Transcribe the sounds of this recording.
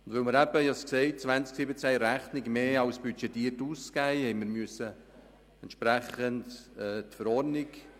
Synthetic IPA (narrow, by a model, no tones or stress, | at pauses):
ʊndvœməɾæbəjɑskseɪt̚t͡svænsksɪbət͡sæjɾæχnɪɡmeːɑwsb̥yt͡ʃɛtiːrtuːskæjhɛɪməɾmyəsːə | ɛntʃpɾæχəndɛːtfəɾɔrnɪk